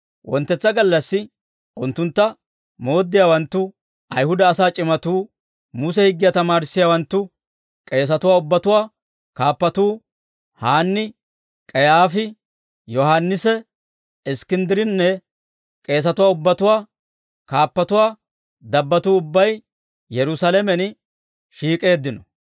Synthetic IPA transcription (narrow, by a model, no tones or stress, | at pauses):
wʔɔnt̪ːɛt͡sːɐɡɐlːɐsːɪ | ʔʊnt̪ːʊnt̪ːɐ | moːd̪ːɪjaːwɐnt̪ːʊ | ʔɐjhʊd̪ɐːsaːt͡ʃʼɪmɐt̪uː | mʊs̬ɛhɪɡːɪjat̪ɐmaːɾɪsːɪjaːwɐnt̪ːʊ | kʼe̞ːs̬ɐt̪ʊwaːʊbːɐt̪ʊwaː | kaːpːɐt̪uː | haːnːɪ | kʼɛjaːfɪ | jɔhaːnːɪsɛ | ɪskɪnd̪ɪɾɪnːɛ | kʼe̞ːs̬ɐt̪ʊwaːʊbːɐt̪ʊwaː | kaːpːɐt̪ʊwaː | d̪ɐbːɐt̪uːʊbːɐj | jɛɾʊsaːlɛmɛn | ʃiːkʼe̞ːd̪ːɪnɔ